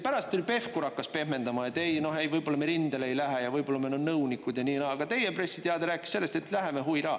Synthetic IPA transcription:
pæɾɑst̪ːulʲpe̞fkuɾɑkːˑɑspe̞hme̞nd̪̥ɑmɑet̪ejno̞ɦejvɤjbo̞lːɑmeɾind̪̥eleejlæɦejɑvɤjb̥o̞lːɑmenonnɤwnikːˑud̪jɑniːnɑɑɡ̥ɑt̪e̞jepre̞sːid̪eɑd̪eɾæːkːˑi̥se̞lːest̪e̞t̪ˑlæɦe̞meɦuiɾɑː

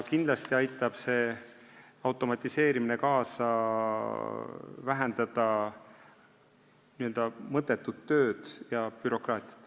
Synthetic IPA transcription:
kind̪̥lɑst̪iɑjt̪ːˑɑb̥se̞ː | ɑwt̪ːˑo̞mɑt̪ʲːˑise̞ːɾimine̞kɑːsɑ | væɦænd̪ɑd̪̥ɑ | niø̞ld̪̥ɑmɤt̪ːˑe̞t̪ːˑud̪̥t̪ːø̞ːd̪̥jɑpyɾo̞krɑːt̪ʲˑi̥ɑ̥t̪

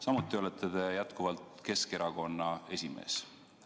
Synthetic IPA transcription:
sɑmut̪ːˑio̞let̪ʰːˑet̪e̞jæt̪kuvɑlt̪ke̞ske̞ɾɑko̞nːɑe̞sʲime̞̰ːs

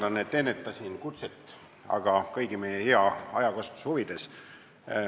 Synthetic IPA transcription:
d̪ɑnːet̪ːenːet̪ːˑɑsʲinkut̪set̪ːˑ | ɑ̰ɡ̥ɑkɤjɡ̥imejeheɑɑ̰jɑkost̪u̥shuvid̪̥e̞s

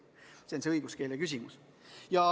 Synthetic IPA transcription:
seonseɤiɡ̥uske̞ːlekys̬ʲimus | jɑ

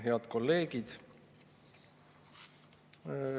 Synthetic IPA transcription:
ɦeɑd̪̥ko̞lːe̞ːɡ̥id̪̥

